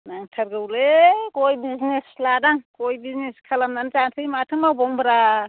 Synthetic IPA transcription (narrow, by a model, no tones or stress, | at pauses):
naŋtʰaɾɡawlekojbiznesladaŋkojbizneskʰalamnant͡ʃantʰɯjmatʰɯŋmawbɔŋbɾa